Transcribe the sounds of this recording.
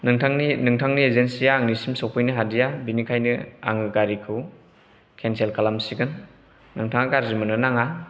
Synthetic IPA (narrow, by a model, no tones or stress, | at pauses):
nɯŋtʰaŋninɯŋtʰaŋniezensijaːŋnisimsowpʰɯjnɯɦadijabinikʰajnɯa̰ŋɯɡaɾikʰɯw | kʰenselkalamsiɡɯnː | ɯŋtʰaŋakaɾzimɯnɯnaŋa